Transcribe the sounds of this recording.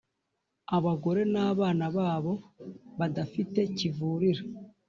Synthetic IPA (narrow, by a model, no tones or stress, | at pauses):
aβaɡo̞ɾe̞naːβaːnaβaːβo̞βadafite̞civuːɾiɾa